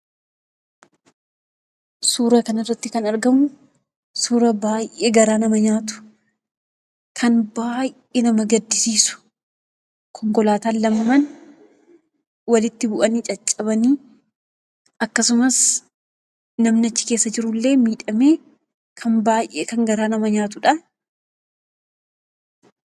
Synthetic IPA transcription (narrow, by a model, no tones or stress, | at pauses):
suːɾɐkɐnɐrːɐt̪ːɪkɐnɐɾɡɐmʊ | suːɾɐbaːjʔeːɡɐɾaːnɐmɐɲaːt̪ʊ̥ | kʰɐnbaːj | eːnɐmɐɡɐd̪ːɪsiːsʊ̥ | kʰɔŋkɔlaːt̪aːlːɐmɐːɐn | wɐlɪt̪ːɪbʊʔɐniːt͡ʃʼɐt͡ʃʼːɐbɐniː | ʔɐkːɐsʊmɐs | nɐmnɪɐt͡ʃːɪ̥ke̞ːsːɐd͡ʒɪɾʊlːe̞ːmiːᶑɐmeː | kʰɐnbaːjʔḛːkɐŋɡɐɾaːnɐmɐɲaːt̪ʊᶑɐ